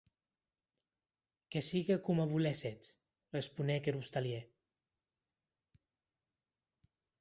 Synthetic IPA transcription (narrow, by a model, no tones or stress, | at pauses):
kesiɣekumaβuleset̪ | respunekeɾust̪alje